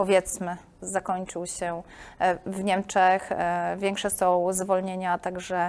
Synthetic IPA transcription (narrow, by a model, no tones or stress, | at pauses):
pɔvʲjɛt̪smɘ | zakɔɲt͡ʂɘwɕɛ | vɲɛmt͡ʂɛxvʲjɛ̃ŋkʂɛsɔ̃w̃zvɔlɲeɲat̪aɡʐɛ